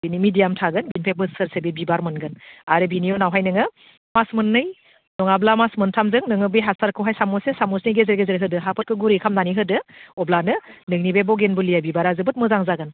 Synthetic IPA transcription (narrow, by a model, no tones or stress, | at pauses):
binimidijamtʰaɡɯnbinpʰebɯsɯɾsebibibaɾmɯnɡɯnaɾɯbinijɔnawɦajnɯŋɯ | masmɯnːɯj | nɔŋablamasmɯntʰamzɯŋnɯŋɯbijɦasʰaɾkʰɯwɦajsamɔsesamɔsniɡezeɾɡezɯɾɦɯdɯɦapʰɯkʰɯɡuɾikʰamnaniɦɯdɯɔblanɯnɯŋnibebɔɡenbɯlijabibaɾazɯbɯt̚mɯzaŋzaɡɯn